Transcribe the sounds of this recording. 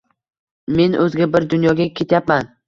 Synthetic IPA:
me̞nʔɵzɡʲabɪɾd̪ʊnjɒɡʲakʲʰe̞t̪ʰjapman

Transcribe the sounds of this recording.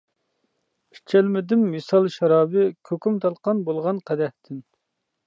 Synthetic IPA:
i̥t͡ʃʰɛlmɪd̪ɪmːɨsɑlˠʃɑɾɑːbɨkʲʰøkʲymt̪ʰɑlˠqɑnbolˠʁɑnqʰæd̪ɛht̪ʰɪn

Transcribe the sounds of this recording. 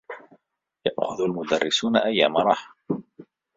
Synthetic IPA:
jaʔxʊðalmʊd̪ɑrˤːɪsuːnaʔajːa̰ːmɑɾˤɑːħḁ

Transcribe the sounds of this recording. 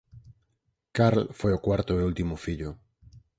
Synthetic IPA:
kaɾlfojokwaɾt̪oeult̪imʊfiʎʊ

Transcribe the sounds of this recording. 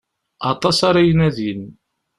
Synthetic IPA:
ɑt̪ˤɑsaɾajənæðin

